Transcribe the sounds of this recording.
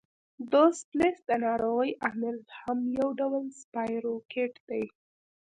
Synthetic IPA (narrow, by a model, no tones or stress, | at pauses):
d̪osplesd̪ənɑɾoɣəjʔamɪɾhamjawɖawəlspɑjɾokeʈd̪̥aj